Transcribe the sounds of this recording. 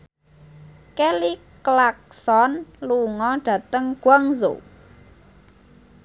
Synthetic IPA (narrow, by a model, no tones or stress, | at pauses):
keli | klak̚sɔnluŋɔɖ̥ä̤t̪əŋɡ̥waŋzo̰